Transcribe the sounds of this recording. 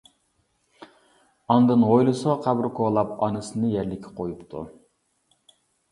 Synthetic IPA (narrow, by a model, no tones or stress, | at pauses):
ɑnd̪ɨnʁojlˠɨsɨʁɑqʰæbɾkʰolˠɑpɑ̰nɨsɨnɨjɛɾlɪkʲʰːɛ̥qʰojupt̪ʰṵ